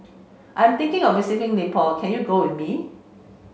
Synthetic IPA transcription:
ʔãɪ̃mt̪ɪ̃ŋkɪ̃ŋɔvɪsɪkɪ̃ŋlipʰɔkʰɛ̃njuɡowɪθmi

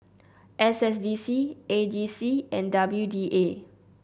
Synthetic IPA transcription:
ʔɛsɛs̬disied͡ʒisiɛ̃ndabljudiʔe

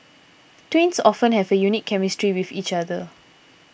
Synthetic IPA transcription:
twĩnsɔfə̃nhɛvəjunikʰːɛmistɹiwifit͡ʃadə

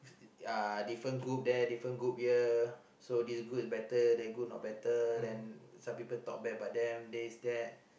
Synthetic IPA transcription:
adifɹə̃nɡɹup̚dɛdifɹə̃nɡɹup̚hiə | sodisɡɹut̚sbɛtədɛɡunɔ̰t̚bɛtədɛ̃nsãmpipəlt̪ɔk̚bɛtəbaʔ̚dɛ̃mdɛisdɛt̚

